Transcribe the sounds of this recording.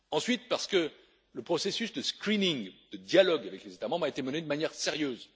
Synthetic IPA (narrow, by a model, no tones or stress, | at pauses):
ɑ̃sɥit̪̚paʁsə̥kə | ləpχɔsesysd̪əskχiniŋd̪̥əd̪jalɔɡavɛklezet̪amɑ̃bʁaet̪eməned̪əmanjɛʁseʁjøz